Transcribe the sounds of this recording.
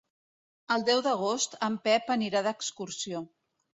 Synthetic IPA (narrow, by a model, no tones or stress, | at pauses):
əlˠd̪ɛwðəɣ̞ost̪əmpɛpəniɾaðəkskuɾsio